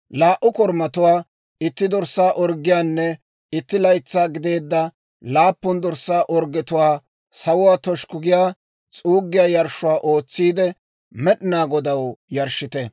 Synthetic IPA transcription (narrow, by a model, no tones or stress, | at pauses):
laːʔːʊkɔɾmɐt̪ʊwaː | ɪt̪ːɪd̪ɔɾsːaːʔɔɾɡːɪjaːnːɛ | ɪt̪ːɪlɐjt͡sːaːɡɪd̪e̞ːd̪ːɐ | laːpːʊnd̪ɔɾsaːʔɔɾɡɛt̪ʊwaː | sɐwʊwaːt̪ɔʃkʊɡɪjaː | t͡sʼuːɡːɪjaːjɐɾʃʊwaːʔo̞ːt͡sːiːd̪ɛ | mɛɗɪnaːɡɔd̪ɐwjɐɾʃɪt̪ɛ